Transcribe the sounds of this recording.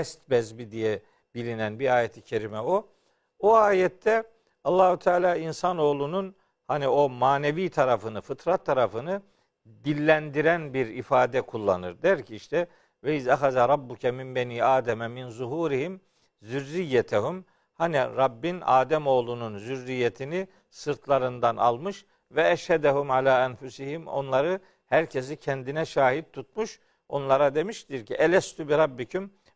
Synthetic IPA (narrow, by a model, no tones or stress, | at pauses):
ɛst̪̚bɛzbid̪ijɛ | b̥ilʲinænbiɾaːjet̪ʰicʰeɾimɛo | buaːjɛt̪ʰːɛ | ɑlˠːɑːhut̪ʰaːlʲaːinsano̞ːlˠunun | hanio̞maːneviːt̪ʰaɾafɯnɯfɯt̪ʰɾat̪ʰːaɾafɯnɯ | d̪ilʲːænd̪iɾænbiɾifaːd̪ɛkʰulˠːanɯɾd̪ɛɾcʰiiʃt̪ɛ | vɛizaxazaɾˤɑbːucʰɛmimbɛniːaːd̪ɛmɛminzuɦuːɾihim | zyɾːijːɛt̪ʰæhum | haniɾɑbːina̰ːd̪ɛmo̞ːlˠununzyɾːijːet̪ʰini | sɯɾt̪ʰlˠaɾɯnd̪anɑ̰lˠmɯʃ | vɛæʃhæd̪æhumʕalaːænfusihimo̞̰nlˠɑɾɯ | hæɾcʰes̬icʰɛnd̪inɛʃaːhit̪̚t̪ʰːut̪̚muʃ | o̞nlˠɑɾad̪e̞miʃt̪iɾciʔɛlʲɛst̪ʰybiɾɑbːicʰym